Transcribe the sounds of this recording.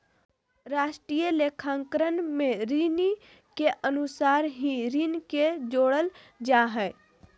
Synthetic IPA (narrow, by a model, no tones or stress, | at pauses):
ɾaːʃʈɾijəlekʰãːŋkɾənmẽɾiːni | keʔənusaːɾɦĩɾinked͡ʒoːɽəl | d͡ʒaɦɛː